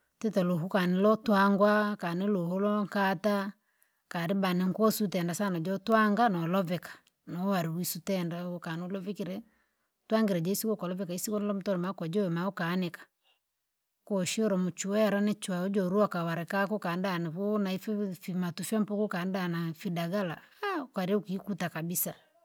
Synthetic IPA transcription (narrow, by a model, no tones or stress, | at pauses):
tɛtɛloɦukanilɔtwaŋɡwakaniloholɔŋkata | kaɾibanɛŋkwɔsutɛndasanad͡ʒɔtwaŋɡanɔlɔvɛkḁ | nɔwaɾiwisutɛndakanolɔvɛkiɾɛ | twaŋɡiɾɛd͡ʒɔisikɔkɔlɔvɛkaisikɔnlɔm̩tɔɾɛmakɔd͡ʒɔwɛmaɔkanɛkḁ | kɔʃiɔɾɔmut͡ʃuwɛjaɾanɛt͡ʃwaɔd͡ʒɔɾuakawaɾɛkakɔkandanaβonaifɛfimatufɛmpɔkukandanafidaɡala̰akwaɾɛukiːkutakabisa